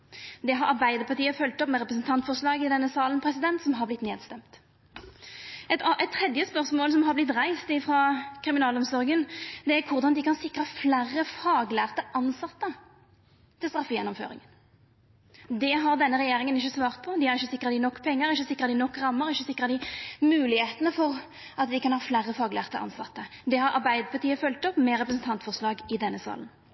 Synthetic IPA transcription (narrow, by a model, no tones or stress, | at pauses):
d̪ɛɦɑɾɑʁbæɪd̪əʁpɑʁt̪iːəfœlt̪ɔpmɛɾʁɛpɾəsn̩t̪ʰɑnt̪fɔʁʂlɑːɡɪd̪ɛnːəsɑːlənpʰʁɛsɪd̪ɛnt̪sɔmɦɑblɪt̪ːneːd̪st̪ɛmt̪ | ɛt̪ɛt̪ʰːʁɛd̪jəspœʁsmoːlsɔmɦɑʁblɪt̪ʁæɪst̪ɪfʁɑkʰʁɪmɪnɑːlɔmsɔʁɡənd̪ɛæɾkʰʊʁd̪ɑnd̪ɪkʰɑnsɪkʁɑflæʁːəfɑːɡlæːʁt̪əʔɑnsɑt̪ːə | t̪ʰɪlst̪ʁɑfːjɛnːɔmfø̰ːɾɪ̰ŋən | d̪ɛɦɑʁd̪ɛnːəʁɛjeːɾɪŋənɪçːəsʋɑːʁt̪̚pʰɔd̪ɪhæʁɪçːəsɪkːɾɑt̪d̪ɪnɔkːpʰɛŋːəɾɪçːəsɪkʁɑd̪ɪnɔkːʁɑmːəɾɪçːəsɪkːʁɑd̪ɪmʉːlɪheːt̪ənəfɔʁ | ʔɑt̪d̪ɪkɑnhɑːflæːʁəfɑːɡlæ̰ːʁt̪ə̰ʔɑ̰nsɑt̪ːə | d̪ɛhɑɾʔɑ̰ʁbæɪd̪əpʰɑʁt̪iːəfœlt̪ɔpmɛʁɛpʁəsn̩t̪ʰɑnt̪fɔʁslɑːɡɪd̪ɛnːəsɑ̰ːlən